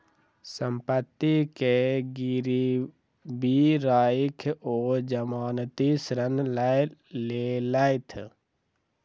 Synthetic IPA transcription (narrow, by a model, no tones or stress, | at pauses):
sə̃mpət̪ːikeɡiɾi | biɾaːjkʰoːd͡ʒəmaːnt̪isɾənləleləɪt̪ʰ